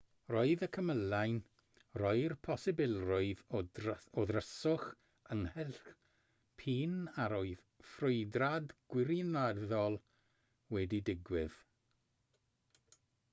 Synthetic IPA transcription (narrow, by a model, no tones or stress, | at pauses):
roːɨðəkʰəməlajn | rɔɨrpʰɔsɪbɪlˠrʊɨð | ɔðrəsʊχ | əŋhɛlχ | pʰiːnaɾoɨð | frʊɨdradɡ̥wɪɾinaðɔlˠ | wɛdidɪɡwɪð̥